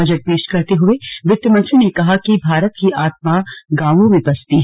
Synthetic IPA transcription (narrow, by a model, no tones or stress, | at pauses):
ɐd͡ʒəʈ̚peːʃkɐɾt̪eɦʊeʋɪt̪jəmɐ̃nsinekɐɦakibʱaːɾət̪kiʔaːt̪̚maɡãːʋõʋɪ̃bɐst̪iɦ